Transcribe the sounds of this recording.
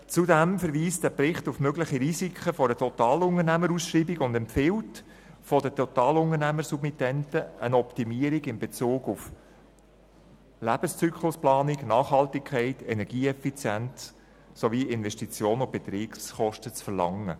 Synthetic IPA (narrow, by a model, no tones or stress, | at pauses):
t͡sudɛmfəɾʋiːsdæpɾɪχtufmøɡləχiɾizikʰχəfɔɾdətʰɔt̪ɑːlʊŋərnæməɾusʃɾiːbiɡʊndɛmpfɪwt | fɔdətʰɔt̪ɑːlʊŋəɾnæməɾsubmitɛntəʔənɔptimiːəɾiɡɪmbet͡suːɡuf | læb̥əst͡sykʰχlʊsplɑːnɪɡnɑːχhɑltɪkʰɛɪtɛnɛɾɡ̥iːɛfit͡sjænt͡s | soʋiːʔɪnvɛʃtit͡sjoːnʊb̥et̪ɾiːɡsχɔʃtət͡sfəɾlɑ̰ŋːə̰